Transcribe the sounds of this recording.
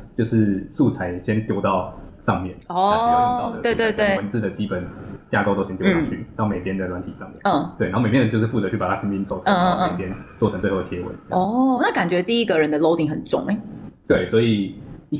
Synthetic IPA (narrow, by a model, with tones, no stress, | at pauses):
t͡ɕjo˥˧ʊʂɻ̩˥˧su˥˨˩t͡sʰa˧˥ɪɕjɛ˦˥nt̪jo˥ʊt̪ɑ˥˧ʊʂɑ˥˧ŋmjɛ˥˩nɔ˥t̪we˥˧ɪt̪we˥˧ɪt̪we˥˩ɪwə˧˦nt͡sɹ̩˥˩d̪ə˩t͡ɕi˦pə˨˩nt͡ɕja˥˧ko˥˧ʊt̪o˥ʊɕɛ˥njo˥ʊ˥ɑ˥t͡ɕʰy˥˩n˨˥˩me˨˩pʰjɛ˥nd̪ə˨lwa˧˦nt̪ʰi˨˩ʂɑ˥˧ŋmjɛn̰˥˨ə˥˩t̪we˥˩n˨˧˥me˨˩jndə˨t͡ɕjʊʂɻ̩˥˩fu˥˩t͡sɤ˧˦t͡ɕʰy˥˩pa˨˩t̪ʰa˥i˧˥pi˧˥nt͡sʰo˨ʊʈ͡ʂʰe˨˩pʰjɛ˦nt͡swɔ˥˩ʈ͡ʂʰə˧˥ŋt͡swe˥˧o˥˩də˩jɛ˧˥wḛ˧˥ɪ˧˩jɔ˥˩na˥˩ka˨˩nt͡ɕɥɛ˧˥t̪i˥˧i˦˥ɡə˨ɻə˧˦nd̪ə˨lo˧˥ʊt̪i˨˩ŋxə˨˩nt͡sʊ̰˥˩ŋe˩˦t̪we˥˩ɪswɔ˧˥i˨˩